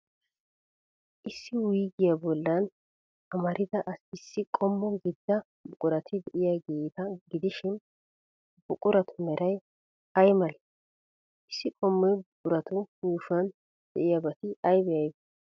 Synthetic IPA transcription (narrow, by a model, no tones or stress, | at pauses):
ʔɪsːɪwʊjɡɪjabɔlːɐn | ɐmɐɾʔɪd̪ɐʔɐsɪsːɪkʼɔmːɔɡɪd̪ːɐ | bʊkʼʊɾɐt̪ʰɪd̪ɛʔɪjaɡeːt̪ɐɡɪd̪ɪʃɪn | bʊkʼʊɾɐt̪ʰʊmɛɾɐj | ɐjmɐlɛ | ɪsːɪkʼɔmːɔjbʊkʼʊɾɐt̪ʊɡuːʃɐn | d̪̥ɛʔɪjabɐt̪ɪɐjbɛjɐjbɛ